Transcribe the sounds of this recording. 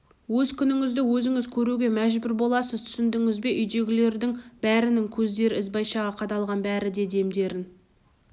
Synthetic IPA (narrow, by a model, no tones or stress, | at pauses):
wɵzkʲʰʏnɪŋɪzd̪ɪwɵzɪŋɪzkʲʰɵɾuɡʲe̞mæʒbʏɾbo̞lˠɑsəzt̪ʰʏ̥sɪnd̪ɪŋɪzbe̞ʔʏjd̪e̞ɡʲɪle̞ɾd̪ɪŋbæɾɪnɪŋkʲʰɵzd̪e̞ɾɪɪzbɑjʃɑʁɑqʰɑd̪ɑlˠʁɑnbæɾɪd̪e̞d̪e̞md̪e̞ɾɪn